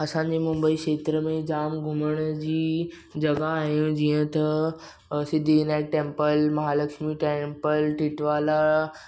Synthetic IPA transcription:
ɐsãɲ̆d͡ʑemʊ̃mbəikʃeːt̪ɾəmẽd͡ʑaːmɡʱʊməɽ̃d͡ʑiː | d͡ʑɐɡaːɦijũd͡ʑiːə̃t̪ɐ | sɪd̪ʱinaɪʈẽːmpəlmɐɦaːlɐkʃmiʈẽmpəlʈɪʈʋaːla

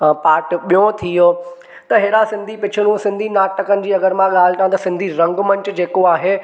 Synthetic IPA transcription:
paːɾʈɓijõt̪ʰijo | t̪ɐɦeːɾasɪ̃nd̪ʱipɪt͡ɕʰɪñũsɪ̃nd̪ʱinaːʈːɐkənɪ̆d͡ʑiːɐɡəɾmãɠaːl̤ɪ̆ʈaãt̪ɐsɪ̃nd̪ʱiɾɐ̃ŋɡmɐ̃ɲt͡ɕd͡ʑeːkoaːɦeː

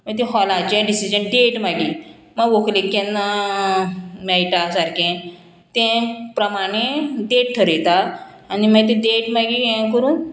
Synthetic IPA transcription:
məɡt̪̬ẽɦɔlat͡ɕẽɖisid͡ʑənɖeʈmaɡi | məɡʋokʰlekːɛnːa | majʈasaɾkẽ | t̪ɛ̃pɾəmaɽ̃eɖeʈʈʰəɾet̪a | animəɡt̪̬ẽɖeʈmaɡijẽkəɾũːn

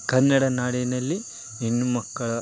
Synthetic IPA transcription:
kɐnːɐɽɐnaːɽinɐlːi | enːumɐkːɐɭɐ

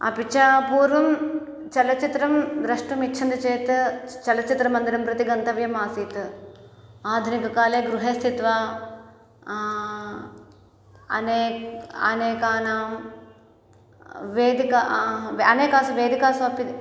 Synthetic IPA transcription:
ɐ̰pit͡ʃʰaːpuːɾʋɐm | t͡ʃɐlɐt͡ʃit̪ɾɐmd̪ɾɐʂʈɐmitːt͡ʃʰɐnd̪ɐt͡ʃeːt̪ɨt͡ʃɐlɐt͡ʃit̪ɾɐmɐnd̪iɾɐmpɾɐt̪iɡɐnt̪ɐʋjɐmaːsiːt̪ɨ | aːd̪ʱunikɐkaːleːɡɾuɦeːst̪ʰit̪ʋaː | ɐ̰neːɐ̰neːkaːnaːm | ʋeːd̪ikaɐneːkaːsɐʋeːd̪ʱikaːsɐɐpi

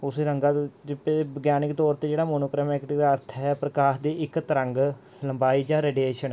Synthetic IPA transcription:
ʊseːɾəŋɡaːd͡ʒɪpebəɡjaːnɪkt̪ɔːɾt̪eːd͡ʒeːɽaːmoːnoːkɾəːmekd̪aːəɾt̪ʰɦɛpɾəkaːɦd̪iːɪkt̪əɾəŋɡ | ləmbaːiːd͡ʒãːɾeːɖijeːʃən

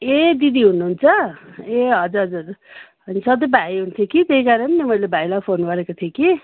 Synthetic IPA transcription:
ed̪id̪iɦunuɦːnt͡sʰʌeɦʌd͡zuɾɦʌd͡zuʌɾɦʌnisʌd̪ʌjbʱajɦunt̪ʰjokit̪eɦikaɾʌnːemʌjlebʱajlapʰonɡʌɾekot̪ʰjoki

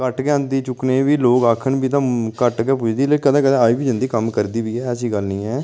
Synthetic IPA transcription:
kəʈkɛ̃ːnd̪iːt͡ʃʊkneːbiːloːkaːkʰənbiːt̪̬ãkəʈkeːp̬ʊt͡ʃʰd̪iːlekəd̪ãːkəd̪ãːaːiːbiːd͡ʒə̃nd̪iːkəmkəɾd̪iːbiːɦɛːəsiːɡəlnĩːɛː

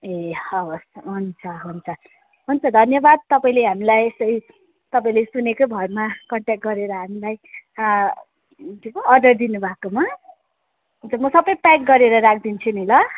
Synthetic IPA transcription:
eʌosɦunt͡sʰʌɦunt͡sʰʌ | ɦunt͡sʰʌd̪ʱʌnjʌbad̪̚t̪ʌpaĩleɦamilajesʌɾi | t̪ʌpaĩlesunekobʱʌrmakʌɳʈjak̚ʈ̚ɡʌɾeɾʌɦamilaj | t̪ikoʌrɖʌrd̪inubʱakoma | ɦɦunt͡sʰʌmʌsʌbʌjpak̚ɡʌɾeɾʌɾakʰd̪int͡sʰunilʌ

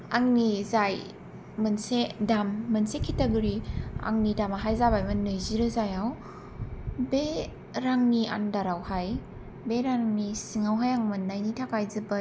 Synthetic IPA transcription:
aŋnizaj | mɐnsedamːɐnsekʰitaɡɯɾia̰ŋnidamaɦajzabajmɯnːɯjziɾɯzajaw | be | ɾaŋnia̰ndaɾawhaj | beɾaŋnisiŋawɦajaŋmɯnːajnitʰakajzɯbɐ

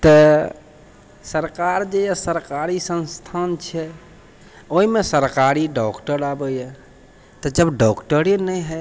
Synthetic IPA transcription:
t̪ə | səɾkaːɾd͡ʒejasəɾkaːɾisə̃nst̪ʰaːnt͡ʃʰɛ | oɦimẽsəɾkaːɾiɖɔːkʈəɾaːbəiɛ | t̪ɔd͡ʒəbɖɔːkʈəɾenɛɦɛ

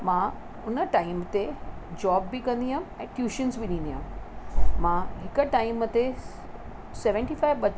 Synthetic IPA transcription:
mãː | ʊnəʈaːɪmt̪ed͡ʑɔːbːikɐ̃nd̪iɦamɛ̃ːʈjuːʃənzbiɗĩːnd̪iɦãm | mãɦɪkəʈaːɪmt̪e | sɛʋə̃ɳʈifaːɪʋɓɐ

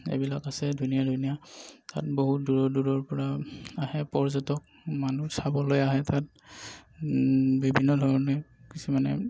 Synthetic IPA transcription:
ḛbilakasɛdʱunijadʱunijata̰t̚boɦut̚duɹɔduɹɔɹpɔɹaahɛpɔɹzɔtɔk̚ | manusabɔlojaɦɛtat̚ | bibʱinːɔdʱɔɹɔnɔkisumanɛ̰

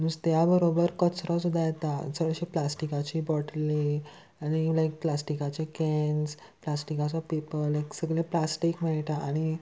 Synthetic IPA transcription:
məd͡zt̪jabəɾobəɾkət͡sɾɔsud̪ʱajet̪asəɡɭəɕiplasʈikat͡ɕiːbɔʈle | aɽ̃ilajk̚plasʈikat͡ɕekɛns | plasʈikat͡sɔpipəlːajksəɡɭẽplasʈikmɛɭʈaʔaɽ̃i

